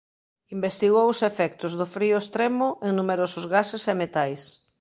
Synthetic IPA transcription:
imbest̪iɣowʊsefɛk̚t̪ʊzðʊfɾiʊest̪ɾemʊʔeŋnumeɾosʊzɣasesemet̪ajs

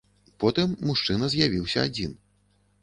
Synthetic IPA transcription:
pɔt̪ɨmːuʂt͡ʂɨnɐzʲjavʲiwsʲɐad͡zʲin

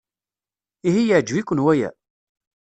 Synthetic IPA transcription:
iɦijəʕd͡ʒwikʷːənwæjæ̰

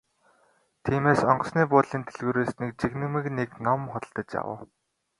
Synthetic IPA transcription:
t̪ʰiːmeːsɔɴɢɞ̆sniːp̬ʊːt̪ɮiːnt̪ʰeɮɣuːɾeːsnek̚t͡ɕiɣnɘ̆mɘ̆kneknɔmχʊt̪ə̆ɬt̪ə̆t͡ɕja̰wə̰ː

